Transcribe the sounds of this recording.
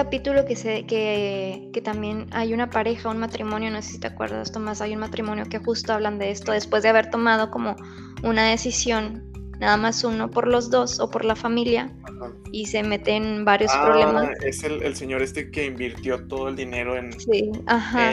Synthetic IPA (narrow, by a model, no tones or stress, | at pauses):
kapit̪ulo̞kesekeke̞t̪ambje̞najunapaɾe̞xaunmat̪ɾimonjo̞nosesi̥t̪eakwḛɾða̰st̪omasajunmat̪ɾimonjo̞ke̞xust̪oaβland̪e̞est̪o̞ðe̞spwe̞zðeaβe̞ɾt̪o̞mað̞o̞ko̞mo̞ | unað̞e̞sisjo̞nː | aðamasuno̞po̞ɾlo̞zðo̞so̞̰po̞ɾlafamilja | ise̞me̞t̪eːnbaɾjo̞spɾoβlemaeselelseɲo̞ɾe̞st̪e̞keimbiɾt̪jo̞t̪oðoe̞ld̪ine̞ɾoensiaxa